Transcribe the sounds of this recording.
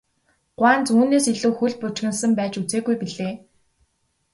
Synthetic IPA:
ɢ̥waːnt͡suːneːsiɮŭːxuɮpʊt͡ɕɣɘ̆nsə̆mpæːt͡ɕut͡seːɣujpiɮeː

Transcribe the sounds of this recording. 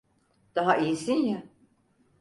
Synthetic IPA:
d̪̥aɦaʔijisinja

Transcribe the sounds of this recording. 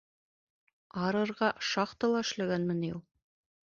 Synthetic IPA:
ɑɾɤ̆ɾʁɑʃɑqt̪ɤlˠɑɘ̆ʃlæɡænmɘ̆nijulˠ

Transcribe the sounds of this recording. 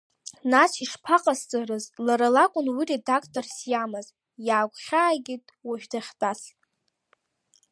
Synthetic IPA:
nasiʂpʰaqʼast͡sʼarɨzlaɾalakʷʼʊnwire̞dakʰtʼorsjamɨz | jaːkʷʰʼχʲaːɡʲitʼwaʒᶣdʰaχʲtʼasʼ

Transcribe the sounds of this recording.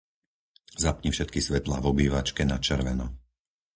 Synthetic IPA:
zapɲifʃɛt̪̚kisʋɛt̪la̰ːvɔbiːʋat͡ʃkɛnat͡ʃɛɾʋɛnɔ

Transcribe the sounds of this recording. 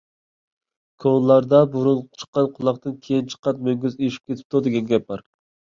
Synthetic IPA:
kʰonlˠɑɾd̪ɑbuɾulˠt͡ʃʰə̥qːɑnqʰʊlˠɑqt̪ɨnkʲʰejint͡ʃʰə̥qːɑt̪̚møŋɡʲyzeʃi̥p̚kʲet̪ʰɪ̥p̚t̪ud̪ɪɡʲɛnɡʲɛp̚bɑɾ

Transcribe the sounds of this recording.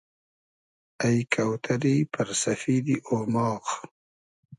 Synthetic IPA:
ajkʰawt̪ʰaɾipɐɾsɐfiːd̪iʔoːmɑːq

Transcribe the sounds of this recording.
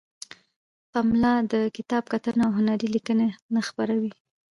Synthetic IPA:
pamlɑd̪əkɪt̪ɑb̚kat̪ənaawɦʊnaɾilikənenaxpaɾawi

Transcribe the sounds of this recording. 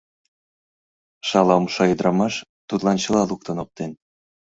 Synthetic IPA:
ʃɑlɑumʃɑjɤd̪ɾɑmɑʃ | t̪ut̪lɑnt͡ɕɤ̆lɑluk̚t̪ɤ̆nop̚t̪en

